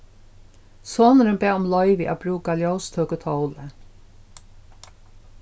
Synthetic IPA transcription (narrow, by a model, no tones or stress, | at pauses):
soːnəɾəmbɛːʊmlɔʏʋɪʔæ̰ːbɾuːkaljɔwst̪ʰœːkət̪ʰɔwlə